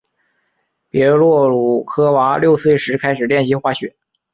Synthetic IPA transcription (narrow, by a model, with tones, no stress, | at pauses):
pjɛ˧˥lwɔ˥˩ɻu˨˩˦kʰɤ˥wa˧˥ljo˥˧ʊsɹe˥˩ʂɻ̩˧˥kʰa˥ɪʂɻ̩˨˩ljɛ˥˩nɕi˧˥xwa˥˩ɕɥɛ̰˨˩˦